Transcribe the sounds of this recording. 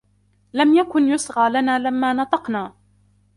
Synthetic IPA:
lamjakʊnjʊsɣaːlanaːlamːaːnɑt̪ˤɑqnaː

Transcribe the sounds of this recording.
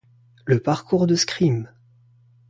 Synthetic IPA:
ləpaʁkuʁd̪əskχim

